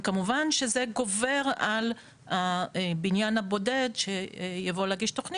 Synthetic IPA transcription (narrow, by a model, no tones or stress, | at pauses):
kamuvanʃe̞zeɡo̞ve̞ʁal | abinjanhabo̞de̞dʃejavo̞lɛɐɡiʃtoχni